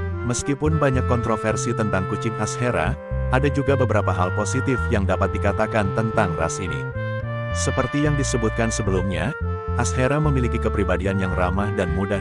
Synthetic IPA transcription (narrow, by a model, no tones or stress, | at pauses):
məskipʊnbaɲakːɔnt̪ɾofɛrsit̪ənt̪aŋkut͡ʃɪŋasheɾa̰ | ʔadad͡ʒuɡabəbəɾapaɦalposit̪ɪfjaŋdapat̪̚dikat̪akant̪ənt̪aŋra̰sinḭ | səpərt̪ijaŋdisəbʊt̪̚kansəbəlumɲa̰ | ʔasheɾaməmilikikəpɾibadianjaŋramahdanmuda